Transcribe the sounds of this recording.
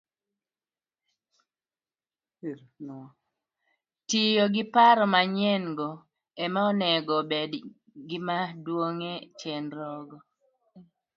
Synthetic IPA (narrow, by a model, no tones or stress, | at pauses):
n | tijoɡɪpaɾɔmaɲɛnɡɔ | ɛmaɔnɛɡɔbed | ɡɪmadwoŋet͡ʃɛnɾɔɡɔ